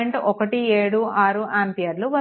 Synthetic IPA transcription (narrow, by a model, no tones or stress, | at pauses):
eɳʈɔkɐʈieːɽuaːɾuʔaːmpijɐɾluʋɐ